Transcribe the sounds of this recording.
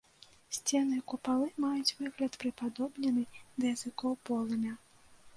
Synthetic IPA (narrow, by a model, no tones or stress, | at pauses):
sʲt͡sʲɛnɨkupalˠɨmajut͡sʲvɨɣlʲɐt̪pɾɨpad̪ɔbnʲɛnɨd̪ɐjɐz̥ɨkɔwpɔlˠɐmʲɐ